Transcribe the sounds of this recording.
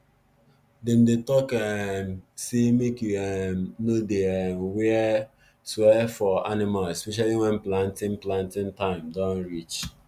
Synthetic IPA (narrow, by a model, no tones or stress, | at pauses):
dɛ̃ndetɔkɛmsemekjuɛmnodeɛmwɛ | swɛfɔanɪmalɛspɛʃ̬aliwɛ̃nplãntɪ̃nplãntɪ̃ntãɪ̃mdɔ̃nɹit͡ʃ